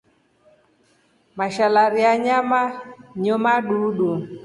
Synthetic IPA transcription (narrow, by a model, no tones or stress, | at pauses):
maʃalaɾiaɲamaɲɔmaɗuɗu